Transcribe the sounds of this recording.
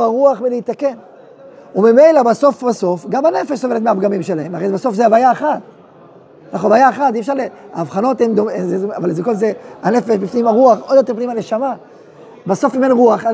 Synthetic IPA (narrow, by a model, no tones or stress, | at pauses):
aʁuaχviliit̪ːake̞n | umime̞jlabaso̞fbaso̞fɡamane̞feʃsovelet̪meaːfɡamimʃe̞lae̞maʁejzbaso̞fzeavajaeχat̪̚ | laχovajaeχat̪iefʃaʁlea̰ːvχano̞t̪hemd̪omzeavalzekolzeane̞fe̞ʃbifnimaʁuaχod̪jotepnimaneʃama | baso̞fimenʁuaχ